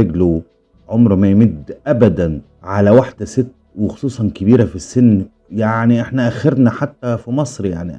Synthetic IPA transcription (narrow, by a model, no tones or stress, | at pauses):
eɡlo | ʕomɾmæjmɪd̪ʔæbæd̪æn | ʕalæwaħd̪̥sɪt̪ːwexo̥sˤuːsˤɑnkɪbiːɾæfisːɪnː | jaʕniʔeħnæʔæxːeɾnæħat̪ːæfimɑsˤɾjaʕni